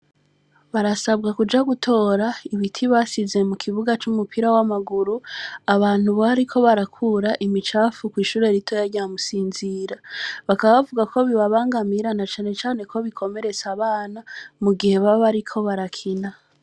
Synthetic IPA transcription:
βaɾasabɡakud͡ʒaɡutʰo̞ːɾaiβitʰiβasize̞mukʰiβuɡat͡ʃumupʰiɾawamaɡuɾuaβaːn̥huβohaɾikʰo̞βaɾakʰuːɾaʔimit͡ʃaːfukwiːʃuːɾe̞ɾitʰo̞jaɾɟamusiːnziɾaβakaβaβavuɡakʰo̞βiβaβaːŋɡamiɾanat͡ʃaːne̞t͡ʃaːne̞kʰo̞βikʰo̞me̞ɾe̞t͡saβaːnamuɡihe̞βaβoβaɾikʰo̞βaɾakʰina

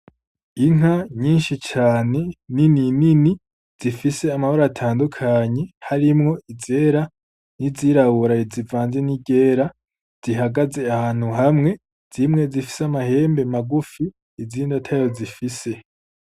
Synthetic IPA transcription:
iŋ̥haɲiːnʃit͡ʃaːne̞nininini | z̥ifise̞amahoɾatʰaːndukʰaɲe̞haɾimŋo̞ize̞ːɾa | niziɾaβuɾaizivaːnze̞niɟe̞ːɾa | z̥iɦaɡaze̞ahaːn̥huɦamŋe̞ | z̥imŋe̞zifi̥samahe̞ːmbe̞maɡufiː | ziːndatʰajo̞zifise̞

